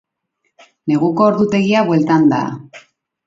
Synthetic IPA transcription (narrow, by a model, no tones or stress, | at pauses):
ne̞ɣuko̞ːɾðut̪e̞ɣiaβwe̞lt̪and̪a̰